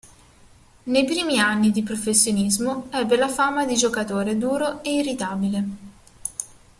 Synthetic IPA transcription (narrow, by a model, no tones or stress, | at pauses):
nejpɾiːmianːid̪ipɾofesːjonizmoɛbːelafamad̪id͡ʒokat̪oːɾed̪uːɾoeirit̪aːbile